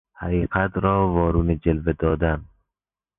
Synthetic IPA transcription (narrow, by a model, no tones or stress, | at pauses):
haqiːqat̪ɾɔːvɒːɾuːned͡ʒelved̪ɒːd̪an